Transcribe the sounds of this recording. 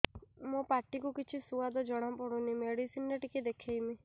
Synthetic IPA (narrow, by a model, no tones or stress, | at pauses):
mũpaʈikukit͡ʃʰisuad̪ɔd͡ʒɔɽ̃apɔɽ̃unimeɽisinɾeʈikid̪ekʰejmi